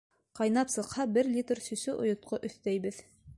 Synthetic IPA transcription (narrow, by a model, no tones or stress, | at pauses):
qɑjnɑpsɤ̆qhɑbɘɾlʲit̪rsɵ̆sɵʔŏ̰jŏt̪̚qoʔɵ̆θt̪æjbɘð